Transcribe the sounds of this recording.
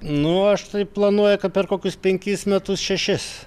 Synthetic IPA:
nʊɐʃt̪ɐɪplˠɐnuɔjʊkɐt̪pʲɛrkoːkʲʊspʲɛŋʲkʲɪsmʲɛt̪ʊsʃʲɛʃʲɪs

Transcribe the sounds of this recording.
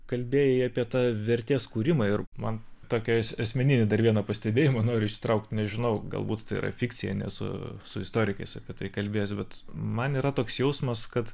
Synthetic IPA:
kɐlʲbʲeːjɛiɑːpʲiɛt̪ɑːʋʲɛɾʲt̪ʲeːskuːɾʲɪmɐɪrmɐnt̪oːkʲɛɐsɐsʲmʲɛnʲɪnʲɪd̪ɐɾʋʲiɛnɐpɐsʲt̪ʲɛbʲeːjɪmɐnoːɾʲʊɪʃʲsʲɪ̥t̪ɾɐʊk̚t̪nʲɛʒʲɪnɐʊɡɐ̰lˠbuːt̪t̪ɐɪḭɾɐ̰fʲɪkt͡sʲɪjɛ̰nʲɛ̰sʊ̰sʊɪst̪oːɾʲɪkɐɪsɐpʲiɛt̪ɐɪkɐlʲbʲeːjsʲbʲɛt̪mɐniːɾɐt̪oːksjɛʊsmɐskɐt̪

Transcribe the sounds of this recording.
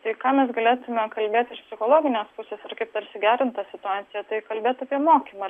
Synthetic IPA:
t̪ɐɪkɑːmʲɛsɡɐlʲeːt̪ʊmʲɛkɐlʲbʲeːt̪ɪʃpʲsʲɪxoːlˠoːɡʲɪnʲeːspʊsʲeːsɐrkɐɪp̚t̪ɐɾsʲɪɡʲæːɾʲɪnt̪t̪ɑːsʲɪt̪ʊɑːt̪ʲɪjɛt̪ɐɪkɐlʲbʲeːt̪ɐpʲiɛmoːkʲiːmɐ

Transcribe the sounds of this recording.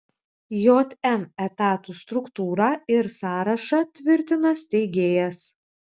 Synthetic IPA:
joːt̪ʲɛmɛt̪ɑːt̪ust̪ɾʊkt̪uːɾɐɪɾsɑːɾɐʃɐt̪ʲʋʲɪɾʲt̪ʲɪnɐst̪ʲɛɪɡʲeːjɛs

